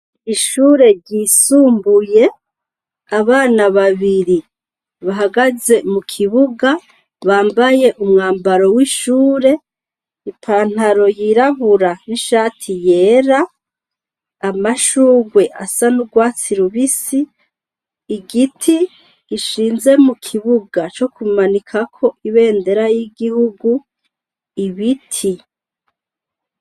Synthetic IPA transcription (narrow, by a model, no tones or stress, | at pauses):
iʃuːɾe̞ɾɟisuːmbuje̞ | aβaːnaβaβiɾi | βaɦaɡaze̞mukʰiβuɡa | βaːmbaje̞ʔumŋaːmbaɾo̞wiːʃuːɾe̞ | ipʰaːn̥haɾo̞jiɾaβuɾaniʃaːtʰije̞ːɾa | amaʃuːɡwe̞ʔasanuɡwaːt͡siɾuβisiː | ɡitʰi | ɡiʃiːnze̞mukʰiβuɡat͡ʃo̞kumanikʰakʰo̞ʔiβe̞ːnde̞ɾajiɡihuɡu | iβitʰi